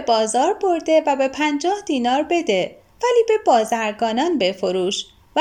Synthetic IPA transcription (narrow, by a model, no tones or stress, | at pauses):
ebɒːzɒːɾbo̞ɾd̪evæbe̞pʰænd͡ʒɒːhd̪iːnɒːɾbe̞d̪e̞ | væliːbe̞bɒːzæɾɡɒːnɒːnbe̞foɾuːʃ | væ